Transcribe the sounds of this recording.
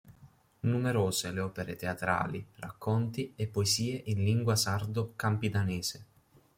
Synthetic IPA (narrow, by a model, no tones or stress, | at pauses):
numeɾoːzeleɔːpeɾet̪eat̪ɾa̰ːlira̰kːɔnt̪iepːoeziːeʔinliŋɡwasard̪okampid̪aneːze